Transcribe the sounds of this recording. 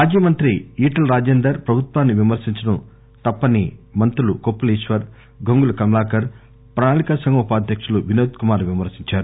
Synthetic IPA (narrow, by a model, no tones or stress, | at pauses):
aːd͡ʒiːmɐnt̪ɾiiːʈɐlɾaːd͡ʒeːnd̪ɐɾpɾɐbʱut̪ʋaːnːiʋimɐɾsiɲt͡ʃɐɽɐm | t̪ɐpːɐnimɐnt̪ɾulukopːuliːʃʋɐɾ | ɡoŋɡulɐkɐmlaːkɐɾ | pɾaːnaːlikɐsɐŋɡɐupaːd̪ʱjɐkʂɐluʋinoːt̪kumaːɾʋimɐɾsiɲt͡ʃaːɾu